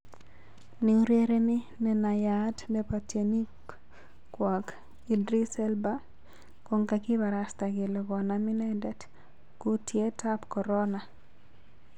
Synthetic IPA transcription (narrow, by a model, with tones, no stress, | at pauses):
niu˦ɾje˦ɾe˦nɪ˦ | nɛ˨na˨jatdɛpatje˨ni˦ | kwɔ˨k | i˨dɾi˦sɛ˦lba˦ | ko˨ŋka˨kɪ˦ba˨ɾa˨sta˨ɡe˨lɔ˨ɡɔ˨nami˦nɛ˦dɛ˦d | kʊ˦tje˦ta˦pkɔ˨ɾɔna˨